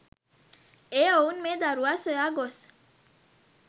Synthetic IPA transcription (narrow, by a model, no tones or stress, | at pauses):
eownmed̪aɾuasɔjaɡos